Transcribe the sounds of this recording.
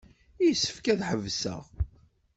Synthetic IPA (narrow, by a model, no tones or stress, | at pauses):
ijsːə̥fkæðħəvsə̰ʁ